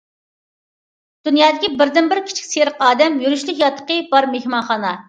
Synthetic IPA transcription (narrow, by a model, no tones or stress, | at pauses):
d̪̥unjɑːd̪ɪkʲibɪɾd̪ɪnbɪɾkʲʰi̥t͡ʃʰi̥kʲseɾəqɑːd̪ɛmjyɾyʃlˠɪkʲjɑt̪ʰːə̥qəbɑɾmehmɑnχɑnɑ